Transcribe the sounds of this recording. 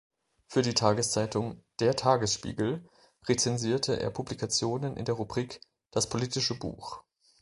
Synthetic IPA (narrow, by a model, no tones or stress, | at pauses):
fyːɐdiːtʰaːɡəst͡saɪtʊŋd̥eːɐtʰaːɡəsʃpḭːɡl̩ | ʁet͡sɛnziːɐtʰəʔḛːɐpʰublikʰat͡sjoːnənʔɪ̰ndeːɐʁubʁiːk | d̥aspʰoliːtɪʃəbṵːx